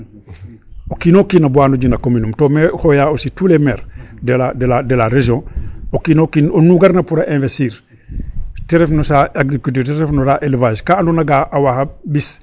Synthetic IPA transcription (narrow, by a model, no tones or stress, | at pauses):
okinokinabuwaːnoɟinakominumtomehojaositulemeːɾdeladeladelaɾeʒõokinokinonuɡaɾnapuɾaʔẽːvesiːɾ | teɾefnosaaɡzikut̬iteɾefnosaʔelvaʃkaːnunaɡaʔawahabis